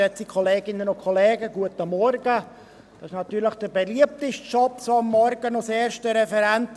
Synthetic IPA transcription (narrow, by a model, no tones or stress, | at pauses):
ɛt͡sikʰoleːɡɪnːənʊkʰoleːɡəɡuətəmːɔɾɡə | d̥ɑɪʃnɑt̪yːləχd̥əbeliəp̚tɪʃtʃɔpsoːɑmːɔɾɡənoseːɾʃtəɾɛfɛɾɛnt